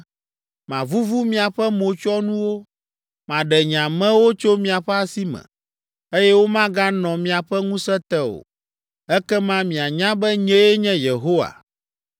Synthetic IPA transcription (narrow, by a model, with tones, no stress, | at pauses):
mã˨vu˦vu˦mĩ˦˨a˨ɸɛ˦mo˨t͡ʃɔ˦nũ˦wo˦ | mã˨ɖɛ˨ɲã˨mɛ̃˦wo˦t͡ʃo˦mĩ˨a˨ɸɛ˦a˦si˦mɛ̰̃˨ | e˦jɛ˦wo˦mã˦ɡa˦nɔ̃˨mĩ˨a˨ɸɛ˦ŋũ˦sɛ˦t̪ɛ˦o̰˨ | ɛ˦kɛ˦mã˦mĩ˨a˨ɲã˦bɛ˦ɲɛ̃˦jɛ˦ɲɛ̃˦je˨ɦo˦wa̰˨